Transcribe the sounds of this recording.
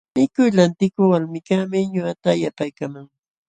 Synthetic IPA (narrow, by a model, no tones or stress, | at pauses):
mɪkʊjlant̪ɪkʊwalmɪkamɪɲʊat̪aːjapajkamaŋ